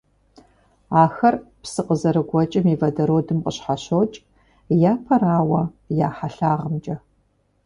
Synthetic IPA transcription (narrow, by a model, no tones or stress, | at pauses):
aːxɐrpsɨqəzɐɾɨɡʷɔt͡ʃʼɐmiːvɐdɐɾoːdɨmqəɕħaɕot͡ʃʼ | jaːpʰɐɾaːwɐjaːħaɬaːʁəmt͡ʃʼɐ